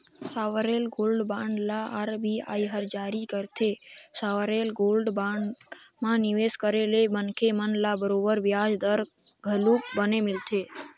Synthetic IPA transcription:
saʋəɾelɡolɖbãɳɖlaaɾbia̰jɦəɾd͡ʒaɾikəɾt̪ʰesaʋəɾelɡolɖbãɳɖ | mãniʋeskəɾelebənkʰemənlabəɾobəɾʋjad͡ʒd̪əɾɡʱəluk̚bənemɪlt̪ʰe

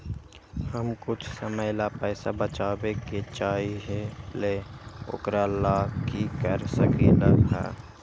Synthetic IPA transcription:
həmkʊt͡ʃʰsəməjlapɛːsabət͡ʃaːbeket͡ʃaːiɦeleo̰ːkɾalaːkikəɾsəkiləɦɛ̰ː

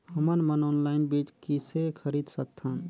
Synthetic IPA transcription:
həmənmənoːnlaɪnbit͡ʃkisekʰəɾid̪sək̚t̪ʰən

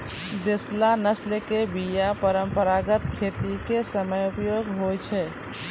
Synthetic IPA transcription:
d̪eslanəslekebijapəɾəmpəɾaɡət̪kʰeːt̪ikesəməjʊpjoːɡɦot͡ʃʰɛː

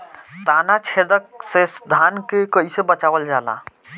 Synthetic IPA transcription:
t̪anat͡ʃʰed̪ək̚sesd̪ʱankekəisebət͡ʃabəld͡ʒala̰

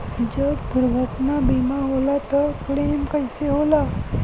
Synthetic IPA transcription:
d͡ʒəbpʊɾʋəʈnabʱiːmaɦolat̪ɔkleːmkəɪseɦoːla

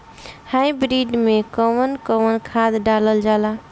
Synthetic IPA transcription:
hajbɾiɖmekəwənkəwənkʰad̪ɖaləld͡ʒala

